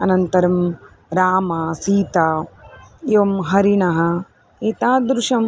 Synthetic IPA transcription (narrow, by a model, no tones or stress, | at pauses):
ɐnɐnt̪ɐɾɐm | ɾaːmɐsiːt̪aː | iʋɐmɦɐɾiɳɐɦɐ | it̪aːd̪ɾuʂɐm